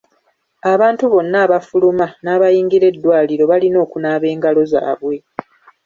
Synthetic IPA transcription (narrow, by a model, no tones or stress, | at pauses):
aβaːntuβo̞nːaːβafulumanaːβajiːŋɡiɾe̞dːwaːliɾo̞βalino̞ːkunaːβe̞ːŋɡalo̞za̰ːβwe̞